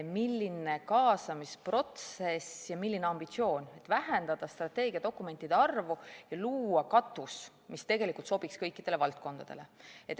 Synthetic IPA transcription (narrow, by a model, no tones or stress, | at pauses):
milːine̞kɑːsɑmispro̞t̪se̞sjɑmilʲːineɑmb̥it̪sio̞ːnʲe̞t̪væɦend̪̥ɑd̪̥ɑst̪rɑt̪ːe̞ːɡ̥ʲiɑd̪̥o̞kːˑume̞nt̪ːˑid̪eɑrvujɑluːɑkɑt̪ːˑus | mist̪e̞ɡe̞likːˑult̪so̞b̥ikskɤjkːˑid̪̥ele̞vɑlt̪̚ko̞nd̪̥ɑd̪̥e̞le̞̰et̪ː